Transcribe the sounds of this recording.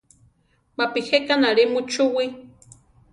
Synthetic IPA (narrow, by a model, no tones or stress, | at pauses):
mapihekanaɺimut͡ʃuwi